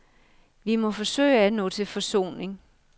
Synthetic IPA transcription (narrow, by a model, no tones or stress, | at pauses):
ʋimɒ̽fɒ̽sø̰ɪ̰ænɔ̰ːt͡sʰe̝lfɒ̽so̝̰ːne̝ŋ